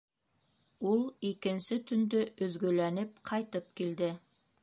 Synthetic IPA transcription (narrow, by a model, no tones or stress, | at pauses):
ulˠikɘ̆nsɘt̪ɵ̆nd̪ɵɵ̆ðɡɵ̆lænɘp̚qʰɑjt̪ɤp̚kild̪ɘ